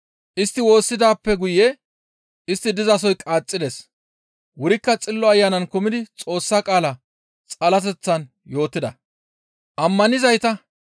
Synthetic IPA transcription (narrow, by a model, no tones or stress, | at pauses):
ʔɪst̪ːɪwo̞ːsːɪd̪aːpːɛɡʊjɛ | ɪst̪ːɪd̪ɪzɐs̬ɔjkʼaːt͡sʼːɪd̪es | wʊɾɪkːɐt͡sʼɪlːɔɐjːaːnɐnkʊmɪd̪ɪt͡sʼo̞ːsːaːkʼaːlɐ | t͡sʼɐlɐt̪̬ɛt͡sːɐn | jo̞ːt̪ːɪd̪ɐ̰ | ʔɐmːɐnɪzɐjt̪ɐ